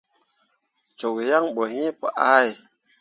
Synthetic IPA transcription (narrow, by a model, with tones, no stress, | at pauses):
t͡ʃo˨k̚ja˦ŋɓo˨ɦi˦pə˨ʔa˦j